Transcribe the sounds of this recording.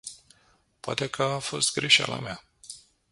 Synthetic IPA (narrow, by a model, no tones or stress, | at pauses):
poat̪e̞kʰəafo̞st̪ɡɾe̞ʃa̰lʔa̰mea